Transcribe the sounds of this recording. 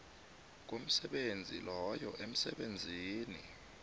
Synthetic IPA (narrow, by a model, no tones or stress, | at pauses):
k̬om̩sɛɓend͡zʱḭlɔjɔʔem̩sɛɓend͡zʱiːnḭ